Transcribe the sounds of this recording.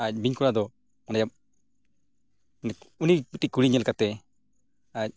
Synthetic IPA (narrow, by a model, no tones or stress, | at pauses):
ac̚ˀbiɲkulad̪ɔ | ɔnajap̚ | nɛunibiʈikuɽiɲɛlkat̪ɛ | ac̚